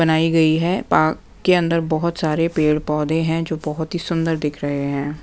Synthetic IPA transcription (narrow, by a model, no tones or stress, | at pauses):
bənaːiɡəiɦɛːpaːkːeə̃nd̪əɾbɔɦʊt̪saːɾepeːɽpɔːd̪ẽɦɛ̃ːd͡ʒoːbɔɦʊt̪ɦisʊnd̪əɾd̪ɪkʰɾəɦeɦɛ̃ː